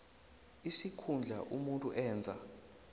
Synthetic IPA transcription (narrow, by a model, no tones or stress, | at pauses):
isikʰund͡ɮʱaʔumuntʼuʔɛːnd͡zʱa̰